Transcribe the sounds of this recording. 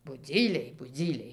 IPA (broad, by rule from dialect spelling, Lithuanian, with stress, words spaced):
bʊˈd͡zʲiːlʲɛɪ bʊˈd͡zʲiːlʲɛɪ